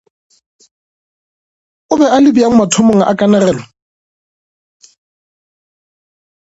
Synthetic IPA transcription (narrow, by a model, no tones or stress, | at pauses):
ʊbɛalɪbiaŋ̩matʰʊmoŋ̩ʔa̰kʼanarɛːlɔ